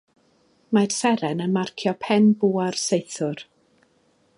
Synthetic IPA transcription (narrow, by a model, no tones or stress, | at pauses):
marsɛɾɛnənmarkʰjɔpʰɛmbuːarsejθʊr